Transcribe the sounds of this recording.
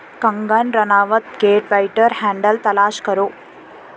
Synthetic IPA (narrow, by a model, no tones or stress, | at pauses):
kɐŋɡanɾɐnaːʋɐt̪̚keːʈʋɐjʈːɐɾhaːɳɖɐlt̪ɐlaːʃkɐɾoː